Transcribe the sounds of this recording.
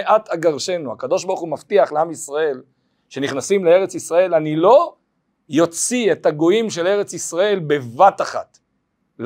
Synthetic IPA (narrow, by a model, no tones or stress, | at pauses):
ʔat̪aɡaʁʃe̞nua̰kad̪o̞ʃbaʁχumaft̪iaχleamisʁae̞l | ʃe̞niχnasimleeʁet͡sisʁae̞lanilo̞ | jo̞t͡sietaɡo̞imʃe̞le̞ʁe̞t͡sisʁae̞lbe̞vataχa̰t̪ | l